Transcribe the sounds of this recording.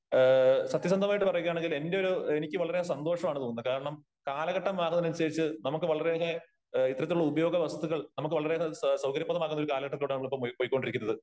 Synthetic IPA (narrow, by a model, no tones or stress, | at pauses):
sɐt̪jɐs̬ɐnd̪ʱɐmaːjiʈːɨpɐrɐjuɣɐjaːɳe̞ŋɡile̞nde̞jo̞ɾue̞nikʲːɨʋɐɭɐɾesɐnd̪o̞ːʂɐmaːɳɨt̪oːŋunːɐðɐkaːɾɐɳɐm | kaːlɐɣɐʈːɐmaːɣɐnːɐnɐnsɐɾit͡ɕːɨnɐmukːɨʋɐɭɐɾeɦe | it̪ːrɐt̪ːiluɭːɐubɐjo̞ːɡɐʋɐsɐðuɣɐɭnɐmukːɨʋɐɭɐɾesɐwkɐɾjɐpːɐðɐmaːkunːɐoɾukaːlɐɣɐʈːɐt̪ːoːɽɨnɐmːɐɭipːopːojikʲːo̞ɳɖiɾikʲːunːɐðɨ